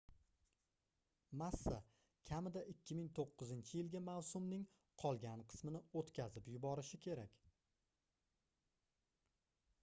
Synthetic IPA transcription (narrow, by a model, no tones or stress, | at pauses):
masːa | kʲʰamɪd̪aʔɪkʲʰːɪmɪŋt̪ʰoqːɨzɪnt͡ʃʰɪjɪlɡʲamawsʊmnɪŋ | qʰɒlˠɡʲanqʰɨ̥smɪnɪot̪kʲʰazɪpjʊbɒɾɪʃɪkʲʰe̞ɾakʲ